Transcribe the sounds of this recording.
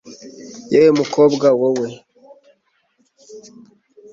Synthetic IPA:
jewemukobɡawowe

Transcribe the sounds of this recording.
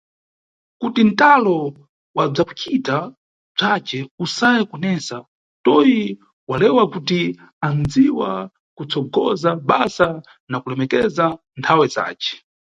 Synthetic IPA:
kutin̩talɔ | wab͡ʐaku̥t͡ʃita | b͡ʐat͡ʃɛusajɛkɔnɛsa | tɔji | walɛwakuti | and͡ziwa̰ | kut͡sʰɔɡɔzaɓasa | nakulɛmɛkɛza | ntʰawɛza̰ːt͡ʃɛ̥

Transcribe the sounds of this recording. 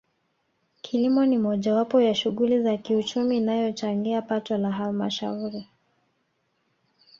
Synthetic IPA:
kʰilimɔnimɔʄawapɔjaʃuɠulizakiut͡ʃumiːnajɔt͡ʃaŋɡiapatɔlaɦalmaʃauɾi

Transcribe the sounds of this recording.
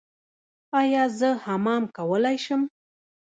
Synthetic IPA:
ɑjɑzəhamɑmkawəlajʃəm

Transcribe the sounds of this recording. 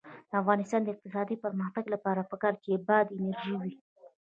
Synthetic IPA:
d̪əafɣɑnɪst̪ɑnd̪əɪq̚t̪ɪsɑd̪ipəɾməxt̪aɡlapɑɾapəkɑɾkebɑd̪ɪnaɾʒiwi

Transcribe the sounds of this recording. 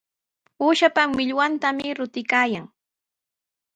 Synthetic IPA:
uːʃapawɪʎwant̪amɪɾʊt̪ɪkaːjaŋ

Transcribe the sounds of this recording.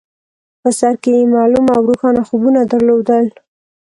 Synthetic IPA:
pəsaɾkejemɑlumawɾuxɑnaxubunad̪əɾlod̪əl

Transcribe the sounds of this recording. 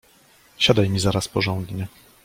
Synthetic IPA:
ɕad̪ajmʲizaɾaspɔʐɔ̃nd̪ɲɛ

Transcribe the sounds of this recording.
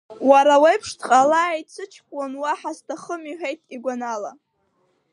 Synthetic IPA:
waɾawajpʰʂtʰqʼalajt͡sʰɨt͡ʃʰkʷʼwanwaħastʰaχəmiħʷᶣejtʰʼiɡʷanala

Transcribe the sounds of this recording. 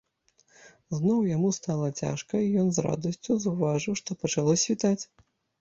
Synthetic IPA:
znɔwjamust̪alˠɐt͡sʲa̰ʂkɐijɔnzɾa̰d̪ɐsʲt͡sʲuzɐwvaʐɨwʂt̪ɔpɐt͡ʂalˠɔsʲvʲit̪at͡sʲ

